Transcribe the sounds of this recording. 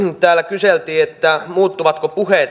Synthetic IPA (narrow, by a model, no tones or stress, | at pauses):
t̪æːlːækyselt̪iːet̪ːæmuːt̪ːuʋɑt̪kopuheˑ